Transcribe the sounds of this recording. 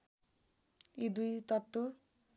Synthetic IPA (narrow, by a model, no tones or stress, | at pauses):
id̪ujt̪ʌt̪ːu